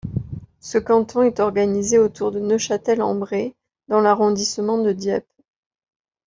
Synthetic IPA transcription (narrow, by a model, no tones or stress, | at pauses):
səkɑ̃t̪ɔ̃ɛt̪ɔʁɡanizeot̪uʁd̪ənøʃat̪ɛlɑ̰̃bʁe | d̪ɑ̃laʁɔ̃d̪isəmɑ̃d̪əd̪jɛp